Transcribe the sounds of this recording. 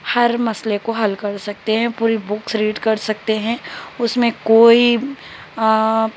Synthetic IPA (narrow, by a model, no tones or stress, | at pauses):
hɐɾmɐslekoɦɐlkɐɾsɐk̚t̪eɦɛ̃puːɾibʊksɾiːʈkɐɾsɐk̚t̪eɦɛ̃ʊsmẽkoːi